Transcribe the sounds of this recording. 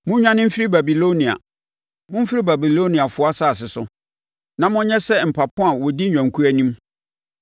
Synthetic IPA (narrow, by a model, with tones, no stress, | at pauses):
mʊ̃˦ɲᶣã˦nɪ̃˦m̩˦fi˦ɾi˦ba˨bi˨lo˦nĩ˨a̰˨ | mʊ̃˦m̩˦fi˦ɾi˦ba˨bi˨lo˦nĩ˨a˨fʊ˨˦a˦saː˦˨s̬ɪ˨sʊ˨ | nã˦mʊ̃˦ɲɛ̃˦sɛ˦m̩˨pʰa˨pʰʊ̃˦a˨wɔ˨di˦ɲᶣã˨ŋkʰu˦æ˦nĩ˦m